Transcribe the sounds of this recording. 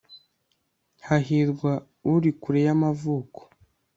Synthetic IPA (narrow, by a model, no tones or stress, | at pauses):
haɦiɾɡwa | uɾikuɾejamavuːko̥